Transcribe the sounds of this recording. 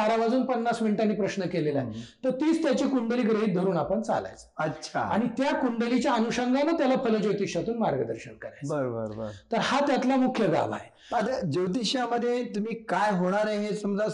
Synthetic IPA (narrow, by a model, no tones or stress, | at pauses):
aɾaʋad͡zuːnpənːasmiɳʈanːiːpɾəɕnəkelela̰ɦet̪əɾt̪iːt͡st̪jat͡ɕikuɳɖəliːɡɾeɦiːt̪̚d̪ʱəɾuːnapəɳt͡sa̰la̰jt͡sətːɕʰa̰a̰ɽ̃it̪jakuɳɖəlit͡ɕjaənuɕəŋɡanət̪jalafələd͡ʑewt̪iɕjat̪uːnmaɾɡəd̪əɾɕənkəɾajt͡sbəɾbəɾbə̰ɾt̪əɾhat̪jat̪lamukʰjəɡa̰ʋa̰ɦe | ad̪əd͡ʑewt̪iɕjaməd̪ʱːjet̪um̤iːkajɦoɽ̃aɾeɦesumd͡za